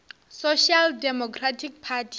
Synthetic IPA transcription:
soʃaldɛmɔkʰratʰik̚pʰatʰ

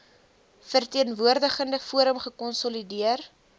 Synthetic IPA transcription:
fərtiənvuərdəχəndəfuəɾəmχəkɔnsɔlidiər

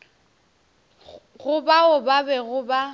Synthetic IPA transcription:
ɣʊbaʊbabɛɣʊba

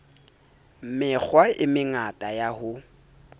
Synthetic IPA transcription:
mɪk͡xʰwaɪmɪŋatʼajahʊ

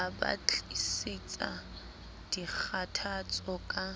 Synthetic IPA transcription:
aba̰t͡ɬisit͡sʼa̰ | d̥ik͡xʰatʰat͡sʼɔkʼa

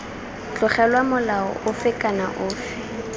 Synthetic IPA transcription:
t͡ɬʊχɛlwamʊlaɔ̰ʔʊfɪkʼana̰ʔʊːfɪ̥

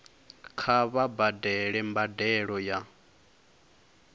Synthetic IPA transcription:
kʰaβabadɛɺɛmbadɛɺɔja

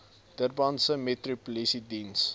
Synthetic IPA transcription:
d̥ərbansəmetripulisidins

